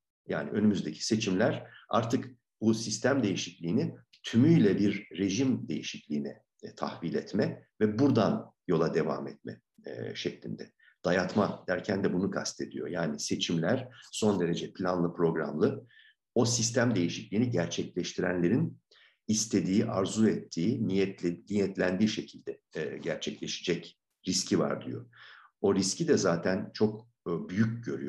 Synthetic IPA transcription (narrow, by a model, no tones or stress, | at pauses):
ja̰ːnḭʔø̞nymyzd̪e̞cʰi̥se̞t͡ʃʰimlʲæɾ̥a̰ɾt̪ʰɯk | busist̪ʰæmd̪e̞jiʃiclʲiːni | t̪ʰymyjlʲɛbiɾːe̞ʒimd̪e̞jiʃiclʲiːnɛ | t̪ʰa̰hvilʲɛt̪mɛvɛbuɾd̪anjo̞lˠad̪e̞va̰ːmɛt̪̚mɛ̰ | ʃɛclʲind̪ɛ | d̪̥ajat̪mad̪æɾcʰænd̪ɛbunukʰast̪ʰe̞d̪ijo̞̰jaːnise̞t͡ʃʰimlʲæɾ̥so̞nd̪e̞ɾe̞d͡ʒɛpʰlʲanlˠɯpɾo̞ɡɾa̰mlˠɯ | o̞sist̪ʰæmd̪e̞jiʃiclʲiːniɟæɾt͡ʃʰɛclʲɛʃt̪ʰiɾæ̰nlʲe̞ɾin | ist̪ʰe̞d̪iːʔaɾzuɛt̪ʰːiːniɛnijɛt̪lʲænd̪iːʃecʰilʲd̪ɛɟæɾt͡ʃʰɛclʲe̞ʃid͡ʒɛc | ɾiscʰiva̰ɾd̪y̰jo̞̰ | o̞ɾiscid̪ɛzaːt̪ʰænt͡ʃʰo̞kː | byjycɟø̞ɾy̰j